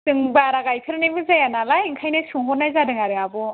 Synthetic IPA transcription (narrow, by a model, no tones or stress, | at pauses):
tɯŋbaɾaɡajkʰɯɾnibɯzajanalaiŋkʰajnɯsuŋɦɔnajzadɯŋaɾɯabɔ